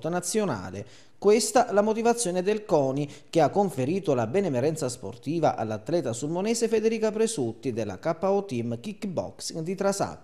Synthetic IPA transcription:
t̪nat̪sːjona̰ːlɪ̰ | kwest̪aʔɛlamot̪̬ivat̪sːjɔːnɪd̪elkɔːnik̟ɪakːoɱfeɾiːt̪ʊlabɛnɛmɛɾɛnt̪saspo̰rt̪iːva̰ʔa̰lːat̪ːlɛːt̪asulmonɛːszefed̪eɾiːkapɾesut̪ːid̪elːa̰kapːaɔt̪imkikːbɔ̰ksiŋd̪it̪ɾasa̰tː

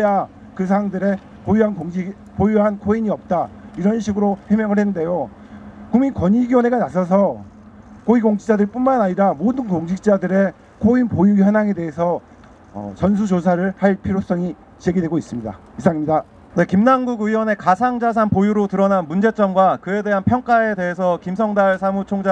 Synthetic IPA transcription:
eja | kɯs̬ʰaŋdɯɾe̞ | pojuɦanoŋ | pojuɦankʰoiɲiʌp̚t͈aiɾʌnɕʰiɡɯɾohemjʌŋɯɭhenɯnde̞jo | kuminkʌɲiɡiwʌne̞ɡanasʰʌs̬ʰʌ | koiɡoŋt͡ɕʰid͡ʑadɯɭp͈unmanaɲiɾamodɯnkoŋɕʰik̚t͡ɕ͈adɯɾe̞ | kʰoinpojuçjʌnaŋe̞de̞ɦesʰʌ | ʌ̰t͡ɕʌns̬ʰud͡ʑos̬ʰaɾɯɭhaɭpʰiɾjos͈ʌŋi | t͡ɕeɡidwe̞ɡois͈ɯmɲida̰ | isʰaŋimɲida | ne̞kimnaŋɡuɡiwʌne̞kasʰaŋd͡ʑas̬ʰanpojuɾotɯɾʌnanmund͡ʑe̞t͡ɕ͈ʌmɡwakɯe̞de̞ɦanpʰjʌŋk͈ae̞de̞ɦesʰʌkimsʰʌŋdaɭsʰamut͡ɕʰoŋd͡ʑa

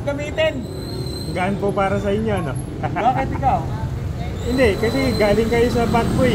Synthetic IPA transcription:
ɡɐmiːt̪ɛn | ɐɡaːʔɐnpopaːɾɐsɐʔɪɲjo̞ʔɐno̞ | oːket̪ɪkaw | hɪnd̪ɛʔkɐsɛɡaːlɪŋkɐjosɐbat̪̚koj

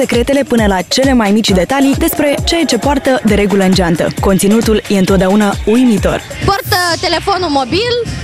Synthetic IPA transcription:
se̞kɾe̞t̪e̞le̞pɨnəlat͡ʃe̞le̞majmit͡ʃʲd̪e̞t̪alid̪e̞spɾe̞t͡ʃejat͡ʃe̞poart̪əd̪e̞ɾe̞ɡuləɨnd͡ʒeant̪ə̰ko̞nt̪sinut̪ulje̞ɨnt̪ot̪d̪eaunaujmit̪o̞̰r | port̪ət̪ele̞fonulmobil

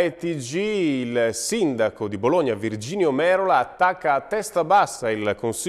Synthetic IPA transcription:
et̪id͡ʒiːlsind̪akod̪iboloɲːavird͡ʒiːnjomɛːɾolaːt̪ːakːaːt̪ːɛst̪abasːailkonsi

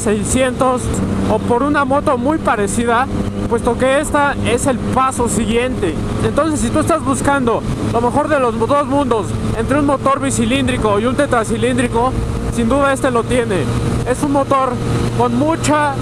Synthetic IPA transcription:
sejsje̞nt̪o̞sopo̞ɾunamo̞t̪o̞mujpaɾe̞siða | pwe̞st̪o̞ke̞e̞st̪ae̞se̞lpaso̞siɣje̞nt̪e̞ | ent̪o̞ns̬e̞sːit̪ue̞st̪azβuskand̪o̞lo̞me̞xo̞ɾðelozðo̞zmũnd̪o̞se̞nt̪ɾeunmo̞t̪o̞ɾβisilind̪ɾiko̞iunt̪e̞t̪ɾasilind̪ɾiko̞ | sind̪uðae̞st̪elo̞t̪je̞ne̞e̞sunmo̞t̪o̞ɾko̞nmut͡ʃa

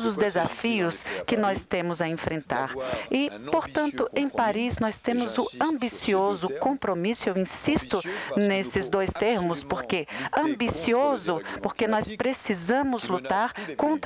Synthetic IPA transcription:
zʊzd̪ezafiʊskɪnɔst̪ẽmʊzɐẽfɾẽnt̪a̰ɾɪpoɾt̪ɐ̃nt̪ʊʔẽj̃paɾiznɔjst̪ẽmʊzʊɐ̃mbisiozʊkõmpɾomisʊewĩsist̪ʊnesɪzd̪ojst̪eɾmʊspoɾkeɐ̃mbisiozʊpoɾkenɔspɾesizɐ̃mʊzlut̪aɾkõnt̪

